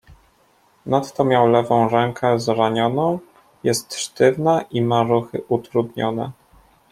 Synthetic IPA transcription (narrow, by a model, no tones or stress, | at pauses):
nat̪ːɔmʲjawlɛvɔ̃w̃ɾɛŋkʰɛzɾaɲɔnɔ̃w̃ | jɛst̪ʂt̪ɘvnaʔimaɾuxɘʔut̪ɾud̪ɲɔnɛ̰